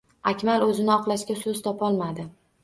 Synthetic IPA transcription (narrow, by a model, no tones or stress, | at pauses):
akʲmalɵzɪnɪɒqlˠaʃkʲasɵz̥t̪ʰɒpʰɒlˠmad̪ɪ